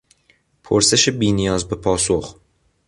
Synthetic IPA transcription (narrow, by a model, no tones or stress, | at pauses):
pʰoɾseʃebiːnijɒːzbepʰɒːsox